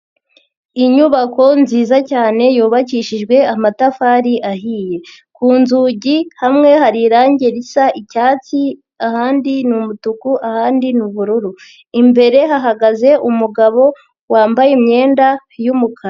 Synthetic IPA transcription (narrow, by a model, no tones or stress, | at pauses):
iɲuβako̞nziːzacaːne̞joːβaciʃiʒɡwe̞amatafaɾiʔaɦiːje̞ | kuːnzuːɟihamŋe̞haɾiɾaːɲɟe̞ɾisaʔicaːt͡si | ahaːndinumutukuʔahaːndinuβuɾuɾu | imbe̞ɾe̞ɦaɦaɡaze̞ʔumuɡaβo̞ | waːmbajemɲe̞ːnda | jumukʰaɾ